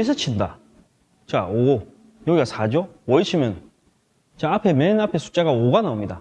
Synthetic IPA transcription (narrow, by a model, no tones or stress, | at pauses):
esʰɯt͡ɕʰinda | t͡ɕao | jʌɡiɡasʰad͡ʑowʌiɕʰimjʌn | t͡ɕaapʰe̞menapʰe̞sʰu̥t͡ɕ͈aɡaoɡanaomɲida